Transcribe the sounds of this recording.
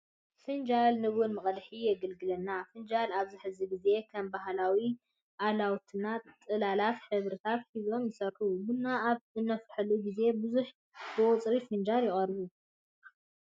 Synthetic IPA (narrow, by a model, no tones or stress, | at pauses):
fɨnd͡ʒalnɨwʊnmɨχʼɐlħijɛɡɨlɡɨlɐnːafɨnd͡ʒalaβziħɨziɡize̞kʰɐmbaɦlawi | ʔalawt̪ʰɨnat̪ʼɨlalat̪ħɨβɾɨt̪ʰat̪hizo̞mjɨsɐɾħubɨnːaaβzɨnːɐfħɨluɡize̞bɨzuħ | bɨwʊt͡sʼɾifɨnd͡ʒaljɪχʼɐrβu